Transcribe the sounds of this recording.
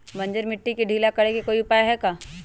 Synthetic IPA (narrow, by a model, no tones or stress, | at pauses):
mɐ̃ɲd͡ʒəɾmɪʈːikeɖʱiːlakɐɽekekoːiʊpaːjɦɛkaː